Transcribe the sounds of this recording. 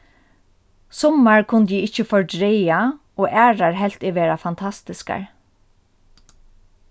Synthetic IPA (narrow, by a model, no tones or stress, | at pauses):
sɔmaɹkʰʊnt̪jiɪt͡ʃəfɔɹɖɹɛja | ɔːʔæːɹaɹɦɛl̥t̪ɛʋeːɹafant̪ʰast̪ɪska̰ɹ